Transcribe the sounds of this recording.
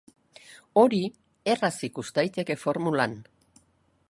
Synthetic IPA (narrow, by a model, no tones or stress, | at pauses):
o̞ɾi | e̞rasikust̪ajt̪e̞ke̞fo̞ɾmulan